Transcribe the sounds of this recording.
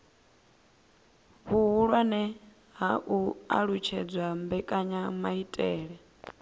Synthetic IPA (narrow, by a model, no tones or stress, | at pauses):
βuɦuɺwanɛ | ɦaʔua̰ɺut͡ʃʰɛd͡zwambɛkʼaɲamaitʼɛːɺɛ